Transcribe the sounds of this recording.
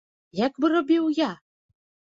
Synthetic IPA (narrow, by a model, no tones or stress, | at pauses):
jakbɨɾɔbʲiwja